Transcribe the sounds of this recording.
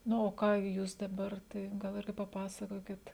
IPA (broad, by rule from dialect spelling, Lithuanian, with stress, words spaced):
ˈnʊ oː ˈkɑː ˈjuːs dɐˈbɐr ˈtɐɪ ɡɐlˠ ˈɪrʲɡʲɪ pɐˈpɑːsɐkoːkʲɪt